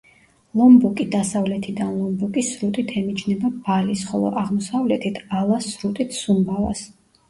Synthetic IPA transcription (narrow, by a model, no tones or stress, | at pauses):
lˠɔmbukʼid̪asavlɛt̪ʰid̪anlˠɔmbukʼisɾut̪ʼit̪ʰɛmit͡ʃʰnɛbabalisχɔlˠɔ̰ʔaʁmɔsavlɛt̪ʰit̪ʰalˠasɾut̪ʼit̪ʰsumbava̰s